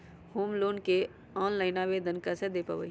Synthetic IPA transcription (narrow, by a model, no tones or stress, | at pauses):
huːmloːnke | ãːnlaɪnaːʋeːd̪ənkɐsed̪epɐ̰ʋə̰